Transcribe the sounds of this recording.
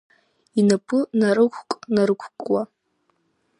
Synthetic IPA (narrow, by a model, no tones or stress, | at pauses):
inapʰɨnaɾɨkʷʰkʼnaɾɨkʷʰkʼwa